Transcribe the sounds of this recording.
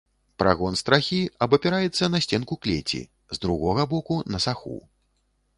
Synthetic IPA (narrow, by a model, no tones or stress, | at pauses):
pɾa̰ɣɔnst̪ɾaxʲiɐbɐpʲɛɾajɛt̪sːɐnɐsʲt͡sʲɛnkuklʲet͡sʲḭ | zd̪ɾuɣɔɣɐbɔkunɐsaxṵ